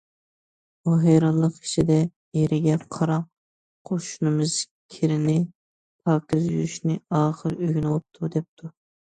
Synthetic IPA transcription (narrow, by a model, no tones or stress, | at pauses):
b̥uɦɛjɾɑnlˠəqʰi̥ʃʰid̪ɛ | jeɾʔɪɡʲɛqʰɑɾɑq̚ | qʰoʃunɨmɨz̥ | kʲʰiɾɪnɪ | pʰɑːkʲizjyɾyʃnɪɑːχəɾøɡʲnulˠup̚t̪ʰud̪ɛp̚t̪ʰu